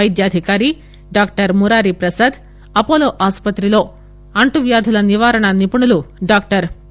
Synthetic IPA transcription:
ɐjd̪jaːd̪ʱikaːɾi | ɖaːk̚ʈɐɾmuɾaːɾipɾɐsɐd̪ | ɐpoːloːʔaːspɐt̪ɾiloː | ɐɳʈuʋjaːd̪ʱulɐniʋaːɾɐɳɐnipuɳuluɖaːk̚ʈɐɾ

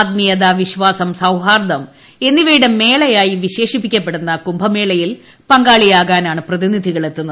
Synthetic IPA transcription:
t̪̚mijɐd̪aʋiɕʋaːsɐmsɐwɦaːrd̪ɐm | e̞nːiʋɐjiɽeme̞ːɭɐjaːjiʋiɕe̞ːʂipːikʲːɐpːe̞ɽunːɐkumbʱɐme̞ːɭɐjil | pɐŋɡaːɭijaːɣaːnaːɳɨprɐðinid̪ʱiɣɐɭe̞t̪ːunːuɐ

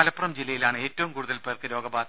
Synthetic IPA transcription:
ɐlɐpːurɐmd͡ʑilːɐjilaːɳɨe̞ːtːɐʋumkuːɽuðɐlpejɐrkɨɾo̞ːɡɐbaːd̪

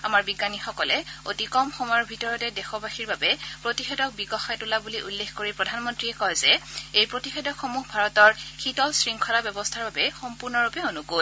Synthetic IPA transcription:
amaɹbiɡanixɔkɔlɛotikɔmxɔmɔjɔɹbʱitɔɹɔtɛdɛxɔbaxiɹbabɛpɹotixedɔk̚biɡɔxajtulabuliʔulːexkoɹipɹɔdʱanmɔntɹiɛkɔjzɛejpɹotixedɔkxomuɦbʱaɹɔtɔɹxitɔlsɹiŋkʰɔlabjɛbɔstʰaɹbabɛxɔmpuɹnɔɹupɛonuko

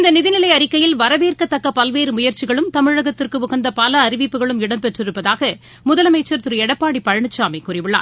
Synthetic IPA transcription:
ɪnd̪ɐnɪðɪnɪlɐɪɐɾɪkːɐjɪlʋɐɾɐʋeːrkɐt̪ːɐkːɐpɐlʋeːɾɯmʊjɐɾt͡ʃɪɣɐɭɯmt̪ɐmɪɻɐɣɐt̪ːɪrkɯʊɣɐnd̪ɐpɐlɐːɾɪʋɪpːɯɣɐɭɯmɪɽɐmpɛʈrɪɾɯpːɐðaːɣɐ | mʊðɐlɐmɐɪt͡ʃːɐɾt̪ɯɾɯɛɽɐpːaːɽipɐɻɐɳɯt͡ʃːaːmɐɪkʊrɪʋɯɭːa̰ː

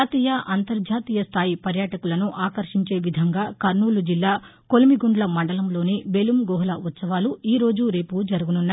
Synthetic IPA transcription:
t̪iːjɐʔɐnt̪ɐɾd͡ʒaːt̪iːjɐst̪ʰaːjipɐɾjaːʈɐkulɐnuʔaːkɐɾʂiɲt͡ʃe̞ːʋid̪ʱɐŋɡaːkɐɾnuːlud͡ʒilːaː | ko̞limiɡuɳɖlɐmɐɳɖɐlɐmlo̞ːnibe̞lumɡɔːɦlɐʋɐt̪sɐʋaːluiːɾo̞ːd͡ʒuɾe̞ːpud͡ʒɐɾuɡununːa

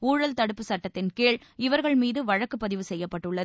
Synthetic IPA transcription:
uːɻɐlt̪ɐɽɯpːɯsɐʈːɐt̪ːɪnkeːɭɪʋɐɾɣɐɭmiːðɯʋɐɻɐkːɯpːɐðɪʋɯsɛjːɐpːɐʈːɯɭːɐð

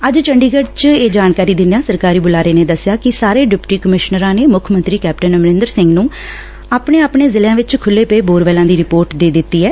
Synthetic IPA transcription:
əd͡ʒt͡ʃəɳɖiːɡəɽt͡ʃeːd͡ʒaːnkaːɾiːd̪ɪnãːsəɾkaːɾiːbʊlaːɾeːneːd̪əsːɪjaːkɪsaːɾeːɖɪpʈiːkəmɪʃnəɾãːneːmʊkʰmənt̪ɾiːkɛːp̚ʈənmɾɪ̃nd̪əɾsɪŋɡnũː | aːpɳeːaːpɳeːzɪljãːʋɪt͡ʃkʰʊlːeːpeːboːɾʋɛːlãːd̪iːɾɪpoːɾʈd̪eːd̪ɪt̪ːiːɦɛː

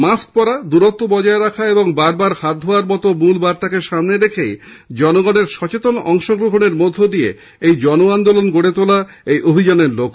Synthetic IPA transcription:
mask̚pɔɾad̪uɾot̪ːobɔd͡ʑaeɾakʰaeboŋbaɾbaɾhad̪ʱoaɾbɔt̪omulbaɾt̪akeʃamneɾekʰej | d͡ʑɔnoɡɔneɾʃɔt͡ɕet̪onɔŋʃoɡɾoɦoneɾmod̪ʱːod̪ie | ejd͡ʑɔnoand̪olonɡoɽet̪ola | ejʔobʱid͡ʑaneɾlok

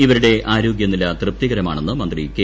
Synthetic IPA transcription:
iʋɐɾuɽe̞ʔaːɾoːɡjɐnːilːɐt̪rɨp̚t̪iɣɐɾɐma̰ːɳe̞nːɨmɐnd̪rike

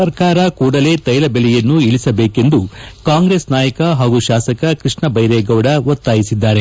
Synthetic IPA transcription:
ɐɾkaːɾɐkuːɽɐle̞ːt̪ɐjlɐbelɛjɐnːuilisɐbeːke̞nd̪ukaːŋɡɾesnaːjɐkɐɦaːɡuʃaːsɐkɐkɾiʂɳɐbɐjɾeːɡɐwɽɐʋɐt̪ːaːjisid̪ːaːɾe̞

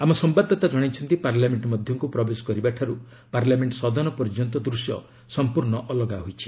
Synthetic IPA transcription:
amɔsɔmbad̪ʱːɔt̪ad͡ʒɔɽ̃it͡ʃʰɔnt̪ipaɾlameɳʈmɔd̪ʱjɔŋkupɾɔbesɔ̥kɔɾibaʈʰaɾu | paɾlameɳʈsɔd̪ɔnɔpɔɾd͡ʒɔnt̪̬ɔd̪ɾusjɔ̰ | sɔmpuɾɳɔʔɔlɔɡaɦojt͡ʃʰi̥

